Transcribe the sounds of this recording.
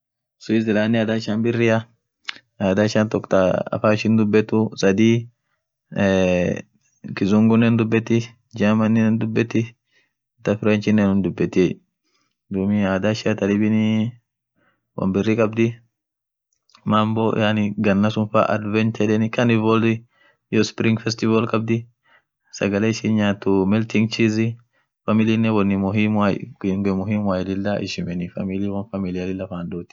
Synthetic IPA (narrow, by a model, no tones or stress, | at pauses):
sʊɪzɪlaːnːiaːd̪aʃanbɪrːɪɐ | aːd̪aʃant̪ɔkt̪aɐ̰faːʃɪnd̪ʊbːɛt̪ːʊsɐd̪i | kɪzʊŋɡʊnːɛnd̪ʊbːɛt̪ːɪ | d͡ʒamɐnːinɛnd̪ʊbːɛt̪ːɪ | t̪ɐfɪɾɛnt͡ʃɪnːɛnʊnd̪ʊbːɛt̪ː | d̪umiaːd̪aʃɪat̪ɐlɪbɪni | wʔɐ̰mbɪrːikʼɐbd̪ɪ | mambɔ̰janɪɡɐnːɐsʊnfa̰ʔɐ̰d̪vɛnt̪ɛᶑɛnɪkɐnɪvɔldɪ | jɔspɾɪŋɡfɛst̪ɪvɐlkʼɐb̚d̪ɪ | sɐ̰ɡɐleɪʃinɲaːt̪ːʊmɛlt̪ɪŋɡt͡ʃizɪ | fɐmɪlinːɛwɐnːɪmɔimaŋɡmɔɦimwaːjlɪlːɐʔɪ̰ʃɪmɛnɪfɐ̰miliwɐnfɐmɪlɪɐlɪlːɐfaːnd̪uːt̪ɪ̥